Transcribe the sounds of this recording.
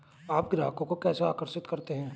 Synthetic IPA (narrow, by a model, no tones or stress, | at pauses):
aːp̚ɡɾaːkõkokɛːseaːkəɾʃɪt̪kɐɾt̪eɦɛ̃ː